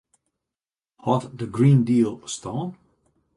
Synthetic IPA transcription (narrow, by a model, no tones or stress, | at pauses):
hɔtðəɡɹĩːndiːlˠstʰõʊ̃n